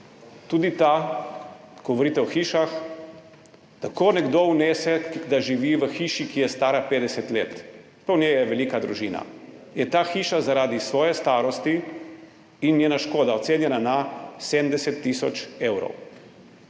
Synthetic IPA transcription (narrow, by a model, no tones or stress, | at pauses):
t̪uːd̪it̪a | ɡ̥ɔɡʋɔɾiːt̪ɛɔxiːʃax | t̪akoːnɛɡd̪ounɛːsɛd̪aʒiʋiʋəxiːʃikijɛst̪aːɾapeːd̪ɛsɛt̪leːt̪ | pɐwnʲjɛjɛʋɛliːkad̪ɾuʒiːna̰jɛt̪aːxiːʃazaɾaːd̪isʋɔːjɛst̪aːɾɔst̪i | injeːnaʃkoːd̪aɔt̪seːnjɛnanased̪md̪ɛsɛt̪ːiːsɔ̰t͡ʃeːwɾɔ̰w